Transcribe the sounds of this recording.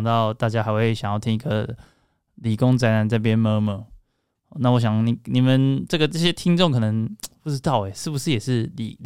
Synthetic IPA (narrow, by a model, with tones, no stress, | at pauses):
ŋt̪ɑ˥˨ʊt̪a˥˩t͡ɕja˥xa˧ɪxwe˧˩ɕjɑ˨˩ŋjɑ˥˩ʊt̪ʰi˥ŋi˧˦ɡə̰˨˩ | li˨˩ko˦ŋt͡sa˧ɪna˨˦nt͡sa˥˩ɪp̬jɛ˥˦nmə˧˥mə˧˦˨ | na˥˩˨wɔ˧˦ɕ̬jɑ˨˩ŋni˨˩ni˨˩mə˨nʈ͡ʂɤ˥˩ɡə˩ʈ͡ʂɤ˥˩ɕjɛ˦˥t̪ʰi˥ŋʈ͡ʂo˥˨ŋkʰɤ˨˩nə˧˦ŋpu˥˩ʈ͡ʂɻ̩˥t̪ɑ˥˩ʊɛ˨˩ʂɻ̩˥˩bu˩ʂɻ̩˥˩jɛ˨˩ʂɻ̩˥˩lḭ˨˩˨